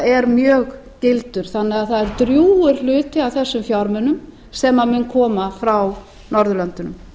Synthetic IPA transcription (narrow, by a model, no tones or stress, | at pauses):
ɛɾmjœːɣcɪlt̪ʏɾ̥θanːɪɣaðθaðɛɾt̪ɾjuːʏɾ̥lʏːt̪ɪawθɛsːʏmfjawɾmɛnːʏm | sɛmamʏnkʰɔːmafɾaw | nɔɾðʏlœnt̪ʏnʏ̰m